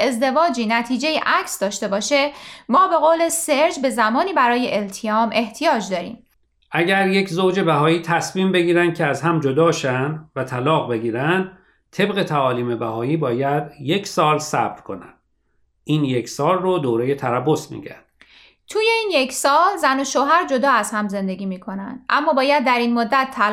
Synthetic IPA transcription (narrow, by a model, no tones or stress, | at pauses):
e̞zd̪e̞vɒːd͡ʒiːnæt̪ʰiːd͡ʒe̞jḛʔæcʰsd̪ɒːʃt̪e̞bɒːʃemɒːbe̞ɣoːle̞seɾd͡ʒbe̞zæmɒːniːbæɾɒːje̞ʔelt̪ʰijɒːmʔe̞ht̪ʰijɒːd͡ʒd̪ɒːɾḭːm | ʔæɟæɾje̞cʰzowd͡ʒe̞bæɦɒːiːt̪ʰæsmiːmbe̞ɡiːɾænd̪̚cʰeæzɦæmd͡ʒod̪ɒːʃænd̪væt̪ʰælɒːɣbe̞ɡiːɾænd̪̚ | t̪ʰe̞bɣe̞t̪ʰæɒːliːme̞bæɦɒːiːbɒːjæd̪je̞cʰsɒːlsæbɾkʰo̞̰næ̰nd̪̥ | ʔiːnjekʰsɒːlrod̪oːɾeje̞t̪ʰæɾæbːosmḭːɟæ̰nd̪̥ | t̪ʰuːje̞iːnje̞kʰsɒːlzænoʃoːɦæɾd͡ʒod̪ɒːæzhæmze̞nd̪e̞ɡʲiːmiːkʰo̞nænd̪̥ʔæmːɒːbɒːjæd̪ːæɾiːnmod̪ːæt̪ʰːæ